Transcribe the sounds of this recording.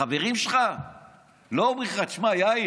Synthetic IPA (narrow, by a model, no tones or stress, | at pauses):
aveʁimʃelχa | lobiχaʃmajaj